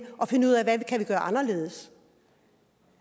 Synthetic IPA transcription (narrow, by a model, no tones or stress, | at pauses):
ʔɒ̽fe̝nəuð̰ˠæʋækʰæʋiɡ̥ɶːɐʔɑ̈nɐle̝̰ːð̞̩ˠəs